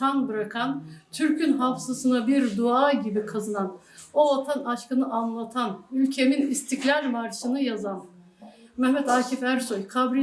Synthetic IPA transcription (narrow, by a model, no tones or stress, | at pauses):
t̪ʰanbɯɾakʰant̪ʰyɾcʰynɦafsasɯnabiɾd̪uaːɟibikʰazɯnan | o̞vat̪ʰanaʃkɯnɯʔanlˠat̪ʰanylʲcʰe̞minist̪ʰiclʲaɾmaɾʃɯnɯjazan | mɛmːɛt̪aːcʰifæɾsojkʰabɾi